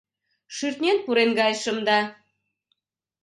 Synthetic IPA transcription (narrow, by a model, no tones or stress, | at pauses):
ʃyrt̪nʲenpuɾenɡɑjʃə̆md̪ɑ